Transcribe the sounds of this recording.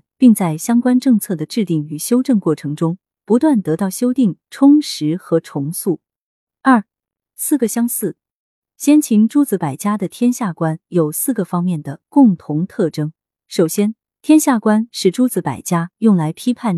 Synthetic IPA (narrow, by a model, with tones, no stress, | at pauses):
pi˥˧ŋt͡sa˥˩ɪɕjɑ˥ŋkwa˥nʈ͡ʂɤ˥˧ŋt͡sʰɤ˥˩d̪ə˩ʈ͡ʂɻ̩˥˧t̪i˥˩ŋy˨˩ɕjo˥ʊʈ͡ʂɤ˥˧ŋkwɔ˥˩ʈ͡ʂʰɤ˧˥ŋʈ͡ʂʊ˥ŋ | pu˧˥t̪wa˥˩nt̪ɤ˧˥t̪ɑ˥˩ʊɕjo˥ʊt̪i˥˩ŋʈ͡ʂʰʊ˥ŋʂɻ̩˧˥xɤ˧˥ʈ͡ʂʰʊ˧˥ŋsu˥˩ | ɐ˞˥˩ | sɹ̩˥˩ɡə˩ɕjɑ˥ŋsɹ̩˥˩ | ɕjɛ˥nt͡ɕʰi˧˥ŋʈ͡ʂu˥t͡sɹ̩˧˥pa˨˩ɪt͡ɕja˥d̪ə˨t̪ʰjɛ˥nɕja˥˩kwa˥njo˨˩ʊsɹ̩˥˩ɡə˩fɑ˥ŋmjɛ˥˩nd̪ə˩kʊ˥˩ŋt̪ʰʊ˧˥ŋt̪ʰɤ˥˩ʈ͡ʂɤ˥ŋ | ʂo˨˩ʊɕjɛ˥n | t̪ʰjɛ˥nɕja˥˩kwa˥nʂɻ̩˥˩ʈ͡ʂu˥t͡sɹ̩˧˥pa̰˨˩ɪt͡ɕja˥jʊ˥˩ŋla˧˥ɪpʰi˥pʰa˥˩n